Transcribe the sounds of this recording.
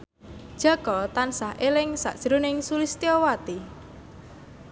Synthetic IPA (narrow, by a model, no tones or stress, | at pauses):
d̥ʒ̥a̤kɔt̪ansahʔelɪŋsa̰ʔd̥ʒ̥ɾunɪŋsulist̪iowat̪i